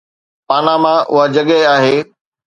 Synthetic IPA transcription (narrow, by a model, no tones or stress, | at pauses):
paːnamãʔʊ̰ɦad͡ʑɐɠɛaːɦeː